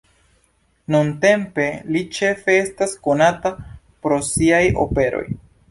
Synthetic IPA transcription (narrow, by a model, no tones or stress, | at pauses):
nunte̞mpe̞lit͡ʃe̞fe̞e̞stasko̞nata | pɾo̞siajo̞̰pe̞ɾo̞̰j